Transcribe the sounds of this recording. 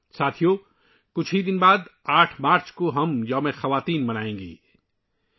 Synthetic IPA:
saːt̪ʰijo | kʊt͡ʃʰɦid̪ɪnbaːd̪aːʈʰmaːɾt͡ʃkoɦɐmjɐmẽxɐʋaːt̪iːnmɐnaːẽːɡḭː

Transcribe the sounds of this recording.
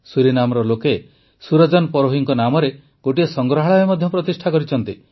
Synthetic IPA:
suɾinamɔɾɔloke | suɾɔd͡ʒɔnɔpɔɾoɦiŋkɔnamɔɾe | ɡ̥oʈiesɔŋɡɾɔɦaɭaemɔd̪ʱjɔpɾɔt̪isʈʰakɔɾit͡ʃʰɔnt̪i

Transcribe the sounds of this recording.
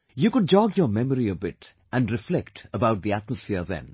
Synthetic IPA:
jukʊɖ̚d͡ʒɔɡjəmɛməɾiəbɪʈ | ʔæ̃nɖɾɪflɛkʈəbaʊʈ̚d̪iæʈ̚məsfɪɾðɛ̰̃n

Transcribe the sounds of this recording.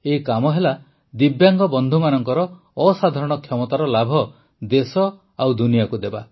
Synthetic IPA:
eikamɔɦela | d̪ibjaŋɡɔbɔnd̪ʱumanɔŋkɔɾɔː | sad̪ʱaɾɔɽ̃ɔkʰjɔmɔt̪aɾɔlabʱɔ | d̪esɔ | awd̪unijakud̪eba

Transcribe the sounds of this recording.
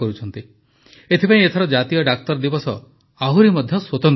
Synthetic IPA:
ɔɾut͡ʃʰɔnt̪i | et̪ʰipaj̃et̪ʰɔɾɔd͡ʒat̪ijɔɖakt̪ɔɾd̪ibɔsɔ | aɦuɾimɔd̪ʱjɔswot̪ɔn

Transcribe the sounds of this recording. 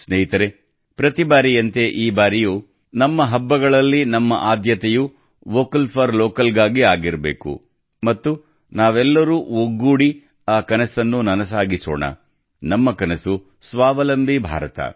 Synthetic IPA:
sneɦit̪ɐɾe | pɾɐt̪ibaːɾijɐnt̪e̞ʔiːbaːɾijuː | nɐmːɐɦɐbːɐɡɐɭɐlːinɐmːɐ̰ʔaːd̪ʱjɐt̪ɛju | ʋoːkɐlpʰɐɾloːkɐlɡaːɡiaːɡiɾɐbḛːkṵ | mɐt̪ːu | naːʋɛlːɐɾuːoɡːuːɽi | aːkɐnɐsɐnːunɐnɐsaːɡisɔ̰ːɳɐ̰ | nɐmːɐkɐnesu | sʋaːʋɐlɐmbʱibʱa̰ːɾɐt̪ɐ̰

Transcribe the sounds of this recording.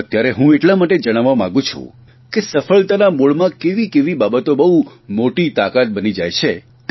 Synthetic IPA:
ət̪jaɾeɦũeʈlamaʈed͡ʒəɽ̃aʋːamã̰ɡũt͡ʃʰṵ̃ | kesəfəlt̪anamoɭmãkeʋikeʋibabət̪obəɦumoʈit̪akat̪̚bənid͡ʒajt͡ʃʰe | t̪

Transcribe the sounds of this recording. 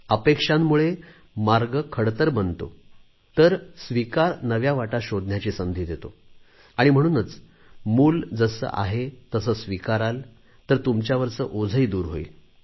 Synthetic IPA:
əpekʂamːuɭe | maɾɡəkʰəɽt̪əɾbənt̪o̰ | t̪əɾsʋikaɾnəʋjaʋaʈaɕod̪njat͡ɕiːsənd̪ʱiːd̪et̪o | aɽ̃im̤əɽ̃uːnət͡s | muːld͡zəsə̰ːʔa̰ɦet̪əsəːsʋikaɾal | t̪əɾt̪umt͡ɕjaʋəɾt͡səʔod͡zʱəiːd̪uːɾɦoḭl

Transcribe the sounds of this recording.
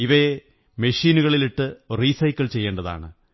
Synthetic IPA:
iʋɐe | meʂiːnuɣɐɭiliʈːɨriːsɐjkːɐɭt͡ɕe̞jːe̞ːɳɖɐða̰ːɳɨ

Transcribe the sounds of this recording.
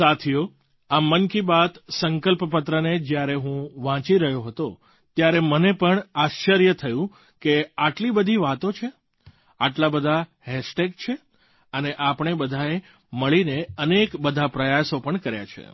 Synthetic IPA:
sat̪ʰijo | amːənkibat̪səŋkəlpəpət̪ɾəned͡ʒjaɾeɦũʋãt͡ʃiɾəɦjoɦət̪o | t̪jaɾemənepəɳaʃt͡ʃəɾjət̪ʰəjũ | keaʈlibəd̪ʱiʋat̪ot͡ʃʰe | aʈlabəd̪ʱa | ɦɛsʈek̚t͡ʃʰe | əneʔapɳ̃ebəd̪ʱae | məɭineənekbəd̪ʱapɾəjasopəɳkəɾja̰t͡ʃʰḛ

